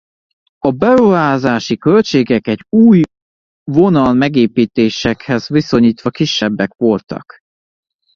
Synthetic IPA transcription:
ɒbɛɾuɦaːzaːʃikø̞lt͡ʃeːɡɛkɛɟuːj | vo̞nɒlmɛɡeːpiːt̪eːʃɛkhɛzʋiso̞ɲiːt̪ʋɒkiʃːɛbːɛkʋo̞lt̪ɒ̰k

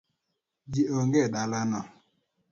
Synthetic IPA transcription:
d͡ʒioŋɡedalanɔ

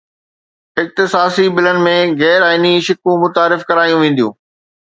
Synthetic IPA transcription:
ɪk̚t̪ɪsaːsibɪlənɪ̆mẽɣɛːɾaːɪniʃɪkũmʊt̪aːɾɪfkɐɾaːjũʋẽːn̆d̪ijṵ̃ː

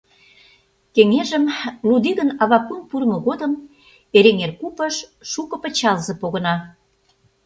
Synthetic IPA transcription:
keŋeʒəmlud̪iɣənɑβɑkunpurmə̆ɣod̪əm | eɾeŋerkupəʃʃukɤ̆pə̆t͡ɕɑlzepoɣə̆nɑ

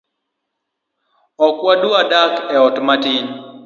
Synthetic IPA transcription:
ɔkwaduadakɛɔtmatiɲ

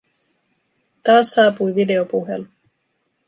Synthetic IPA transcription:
t̪ɑːsːɑːpujʋide̞opuɦḛlu

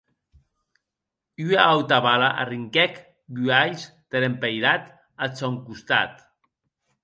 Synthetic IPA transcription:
yaawt̪aβalaʔa̰riŋkɛk | byaʎs | t̪eɾempejɾat̪ | at͡sɔŋkust̪a̰t̪

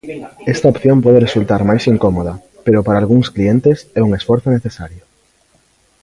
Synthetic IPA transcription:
ɛst̪ɐopθjõmpɔðeresult̪aɾmajsiŋkomoð̞ɐ | peɾʊpaɾaːlɣ̞uŋsklient̪esɛuŋesfɔɾθʊneθesaɾjʊ

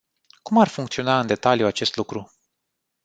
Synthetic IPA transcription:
kumarfuŋkt̪sio̞naɨnd̪e̞t̪alijuat͡ʃe̞st̪lukɾu

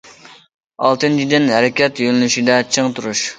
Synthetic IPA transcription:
ɑlˠt̪ɨnt͡ʃʰid̪ɪnɦɛɾɪkʲɛt̪jølɪnyʃid̪ɛt͡ʃʰɨŋt̪ʰuɾuʃ

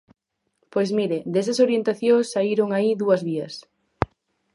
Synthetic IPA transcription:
pojzmiɾɪd̪esɐsoɾjent̪aθjoŋsːaiɾoŋaiðuɐzβiɐs

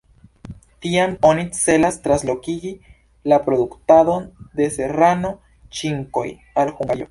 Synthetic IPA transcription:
tiamo̞nit͡se̞lastɾanslo̞kiɡi | lapɾo̞d̪uktado̞nd̪e̞se̞ɾano̞ | t͡ʃiŋko̞̰j | alxuŋɡajo

